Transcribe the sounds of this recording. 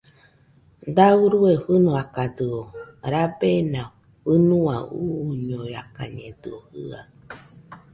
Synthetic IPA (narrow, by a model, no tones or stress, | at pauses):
d̪auɾueɸɨnõakad̪ɨoɾabenã | ɸɨnũa̰uɲõjaka̰ɲẽd̪ɨ̰ohɨ̰a